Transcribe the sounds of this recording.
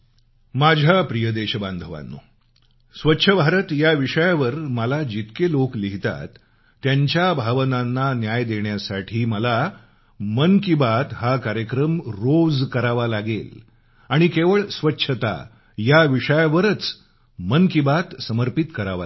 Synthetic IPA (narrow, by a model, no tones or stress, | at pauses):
mad͡ʑʱapɾijəd̪eɕəband̪ʱəʋa̰nːo̰ | sʋətːɕʰəbʱaɾət̪jaʋiʂəjaʋəɾməlad͡ʑit̪kelokliɦit̪a̰t̪ː | jaɲt͡ɕjabʱaʋənanːanjajd̪eɳjasaʈʰiːməla | mənkibat̪ɦakaɾjəkɾəmɾod͡zkəɾaʋalaɡel | aɽ̃ikeʋəɭsʋətːɕʰət̪a̰ | jaʋiʂəjaʋəɾət͡s | mənkibat̪səməɾpit̪kəɾaʋa̰